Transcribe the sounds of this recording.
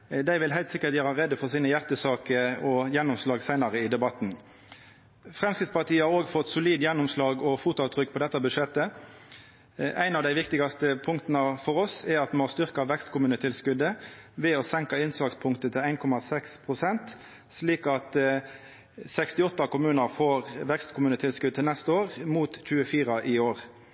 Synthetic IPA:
d̪æɪʋɪlɦæɪlt̪sɪkːət̪jøːɾɑʁɛd̪ːəfɔʁsiːnəjæʁt̪əsɑːkəɔjɛnːʊmslɑːɡsæɪnɑʁəɪd̪ɛbɑt̪n | fʁɛmskɾɪt̪spɑʁt̪ʰiːəhɑʁoːɡfɔt̪ːsʊliːd̪jɛnːʊmslɑːɡɔfuːt̪ʊɑt̪ʰːʁʏkːpʰɔd̪ɛt̪ːɑbʉʂɛt̪ːə | ʔæɪnɑʋd̪æɪʋɪkt̪ɪɡɑst̪əpʰʊŋkt̪nəfɔʁɔsɛʁɑt̪mɛmɔst̪ʏʁkɑʋɛkst̪kʰʊmʉːnət̪ʰɪlskʉd̪əʋɛɔsɛŋkɑɪnslɑɡspʰʊŋkt̪ət̪ʰɪlæɪnkʰɔmɑsɛkspʰʁʊsɛnt̪ | sliːkɑt̪ | sɛkst̪ɪɔt̪ːɑkʊmʉːnəʁfoːʁʋɛkst̪kʰʊmʉːnət̪ʰɪlskʉd̪ət̪ʰɪlnɛst̪əoːʁmuːt̪c͡çʉːəfiːʁɑʔɪoːʁ

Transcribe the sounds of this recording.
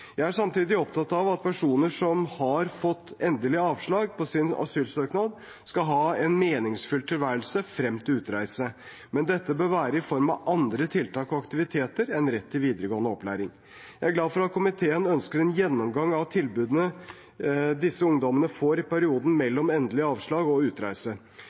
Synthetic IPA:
jæɪæʂɑmt̪ʰiːd̪ɪɔpt̪ɑt̪ːɑʋɑt̪̚pʰæʂuːnəʂɔmhɑɾfɔt̪ːɛnd̪əlɪəɑːʋʂɭɑːɡ̚pʰɔsɪnɑ̰syːlsøːknɑd̪ | skɑɦɑːɛnmeːnɪŋsfʉlt̪ʰɪlʋæːɾəlsəfɾɛmt̪ɪʉːt̪ɾæɪsə | mɛnd̪ɛt̪ːəbøːɾʋæːɾəɪfɔɾmɑʔɑnd̪ɾət̪ʰɪlt̪ɑːkɔɑkt̪ɪʋɪt̪ʰeːt̪əɾɛnɾɛt̪ʰːɪlʋiːd̪əɾəɡoːənəɔplæ̰ːɾɪŋ | jæɪæɾɡlɑːd̪fɔɾɑt̪̚kʰʊmɪt̪ʰeːənœnskəɾɛnjɛnːɔmɡɑŋɑʋt̪ʰɪlbʉːd̪ənə | d̪ɪsːəʊŋd̪ɔmənəfoːɾɪpæɾɪuːd̪n̩mɛlːɔmɛnd̪əlɪəɑːʋʂɭɑːɡɔʉːt̪ɾæɪsə

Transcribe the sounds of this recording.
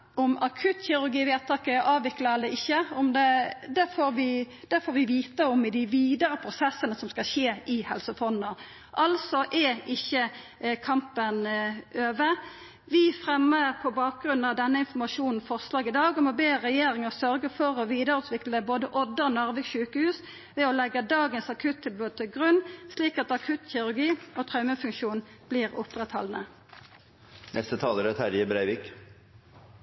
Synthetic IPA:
ɔmɑkʰʉt̪çɪɾʉɾɡiːʋeːt̪ʰɑːkəʔɑːʋʋɪklɑɛld̪ɛɪçːəɔmd̪ɛd̪æfoːɾʋɪ | d̪̥æfoːɾʋɪʋiːt̪əɔmɪd̪ɪʋiːd̪əɾəpʰɾʊsɛsːənəsɔmskɑlɕeːɪhɛ̰lsəfɔnːə | ʔɑlsɔʔɛɪçːə | kʰɑmpənøːʋə | ʋɪfʁɛmːəʁpʰɔbɑːk̚ɡʁʉnːɑʋd̪ɛnːəɪnfɔmɑʃuːnn̩fɔʁslɑːɡɪd̪ɑːɡɔmɔbeːʁɛjeːʁɪŋəʁsœʁɡəfɔʁɔʋiːd̪əʁʉːt̪ʰʋɪkləboːd̪əʔɔd̪ːəɔnɑʁʋəʃʉːkəhʉːs | ʋɛɔlɛɡəd̪ɑːɡənsɑkʰʉt̪ʰːɪlbuːd̪ət̪ʰɪlɡʁʉnsliːkɑt̪ɑkʰʉt̪çɪʁʉʁɡiːoːt̪ʰʁɑʉməfʉŋkʃuːnb̥liːʁʊpʁɛt̪hɔ̰lnə̰ | nɛst̪ət̪ʰɑːləɾət̪hæɾjəbɾæɪʋik

